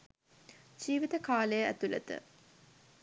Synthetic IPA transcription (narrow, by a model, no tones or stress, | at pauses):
d͡ʒiːʋit̪əkaːləjəæ̰t̪ulə̰t̪ə̰